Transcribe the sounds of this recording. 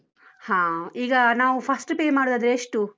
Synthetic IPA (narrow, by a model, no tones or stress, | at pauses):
hãːiːɡɐnaːʋupʰɐsʈpeːmaːɽud̪ad̪ɾeeʂʈu